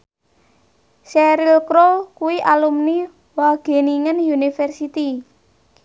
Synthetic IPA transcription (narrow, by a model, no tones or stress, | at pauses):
sɛɾilkɾokuwiʔalumni | waɡ̥e̤niŋənjunifɛrsit̪i